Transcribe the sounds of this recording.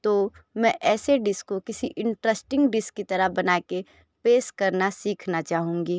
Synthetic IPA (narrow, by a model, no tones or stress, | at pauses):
t̪oːmɛ̃ʔɛːseɖɪskokɪsiʔɪ̃ɳʈɾəsʈɪ̃ŋɡɖɪskːit̪ɐɾəɦbɐnaːke | peːskɐɾnasiːkʰnat͡ʃaːɦũːŋɡiː